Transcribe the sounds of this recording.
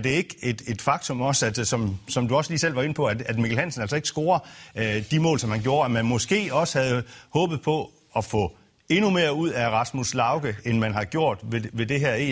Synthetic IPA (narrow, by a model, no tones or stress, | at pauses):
d̥e̝e̝ɡ̥əe̝d̥e̝d̥fɑ̈ɡ̥̚t͡sʰɔ̽mɒ̽sæ̥sɒ̽msɒ̽md̥uɒ̽sliːsel̰ʋɑ̈e̝nəpʰɒ̽æd̥æd̥mikʰæl̩hæn̰sən̩æl̰sɒ̽e̝ɡ̥əsɡ̥o̝ːɐd̥imɔ̰ːlsɒ̽mhænɡ̥jo̝ːɐæmænmɒ̽sɡ̥e̝̰ːɒ̽sə̥hæð̞̩ˠhɔ̽ːb̥ð̞̩ˠpʰɒ̽ | ɒfɔ̰̽ | e̝nume̝ːɐuð̞̰ˠæʁɑ̈smuslɑ̈ʊɡ̥əenmænɦɑ̈ɡ̥jo̝ɐ̰d̥ʋe̝ʋe̝d̥e̝ɦæɐ̰ḛ